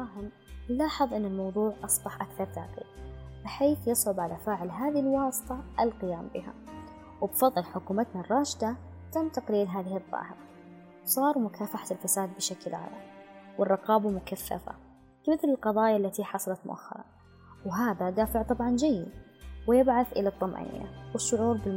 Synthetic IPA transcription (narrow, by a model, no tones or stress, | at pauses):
ɑːɦɪm | lːɑːħɨðˤʔɪnːɪlmɑwðˤuːʕʔɑsˤbɑħʔakθɑɾˤt̪a̰ːqḭɡb̥ɪħeːθjɪsʕʊbʕalafaːʕɪlɦaːðɪɪlwɑːsˤɨ̥t̪ˤɑʔɪlqɪjaːmbɪɦa̰ | wɪbfɑðˤːlħʊkuːmat̪narˤːɑːʃd̪a | t̪amt̪aqliːlɦaːðɪhɨðˤːɑ̰ːhɪɾɑ | sˤɑːɾˤmʊkʰaːfaħḁt̪ɪlfasaːd̪̚bɪʃaklʕa̰ːla̰mwɪrˤːɑqɑːbamʊkaθːa̰fa̰ | kamɪθlɪlqɑðˤɑːjalːat̪iħɑsˤɑlɑt̪mʊʔa̰xːɑ̰ɾˤɑ̰ | wɪɦaːðad̪aːfɪʕt̪ˤɑbʕɑnd͡ʒajːɪd̪ | wɪjɪbʕaθʔɪlat̪ˤːɑmʔa̰nḭːja̰wɪʃːʊʕuːɾbɪl